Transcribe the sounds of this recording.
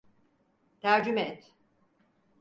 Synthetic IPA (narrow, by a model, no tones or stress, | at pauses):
t̪ʰæɾd͡ʒymɛt̪